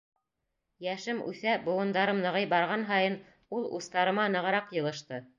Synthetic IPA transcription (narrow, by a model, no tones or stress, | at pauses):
jæʃɘmʉ̰θæbŏwɤ̆nd̪ɑɾɤmnɤ̆ʁɤjbɑɾʁɑnɦɑjɤn | ulˠṵst̪ɑɾɤ̆mɑnɤ̆ʁɤ̆ɾɑqjɤ̆lˠɤ̆ʃt̪ɤ